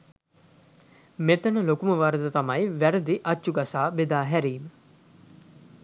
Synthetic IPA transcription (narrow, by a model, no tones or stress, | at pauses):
met̪ənəlokuməʋaːɾəd̪ət̪amajʋæɾəd̪iʔat͡ʃːuɡasaːbed̪aːɦæɾiːmə